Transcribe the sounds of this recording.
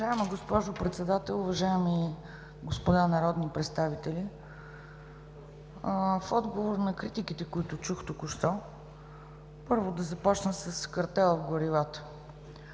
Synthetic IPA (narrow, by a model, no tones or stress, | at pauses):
ʒaɛməɡospɔʒopɾɛt̪sɛd̪at̪ɛlˠʊvɐʒaɛmi | ɡospʊd̪anɐɾɔd̪nipɾɛt̪st̪avit̪ɛli | fɔd̪ɡovoɾnɐkɾit̪ikit̪ɛkʊit̪ʊt͡ʃuxt̪ukʊʃt̪ɔ | pɤɾvʊd̪ɐzɐpɔt͡ʃnəsəskɐɾt̪ɛlˠvɡoɾivat̪ə̥